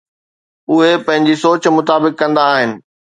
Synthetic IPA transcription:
ʊɦepɐ̃ɦɪ̃ɲd͡ʑisoːt͡ɕmʊt̪aːbɪkːɐ̃nd̪aːɦɪnɪ̆

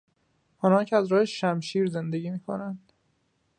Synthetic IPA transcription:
ɒːnɒːncʰeæzɾɒːheʃʃæmʃiːɾze̞nd̪e̞ɟiːmiːkʰo̞̰nænd̪̥

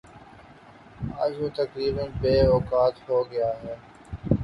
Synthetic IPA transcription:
a̰ːd͡ʒɦoːt̪ɐkɾiːbənbeːɔːkaːt̪ɦoːɡɐjaːɦɛː

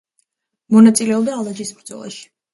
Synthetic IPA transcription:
mɔnat̪sʼilɛɔbd̪aːlˠad͡ʒismɾd̪zɔ̰lˠa̰ʃi̥

